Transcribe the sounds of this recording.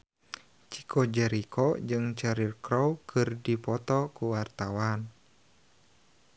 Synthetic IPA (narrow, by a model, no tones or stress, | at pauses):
t͡ʃi̥kʰɔd͡ʒɛɾikɔd͡ʒɨŋt͡ʃɛɾirkɾɔwkʰɨrdipɔt̪ɔkuwart̪awan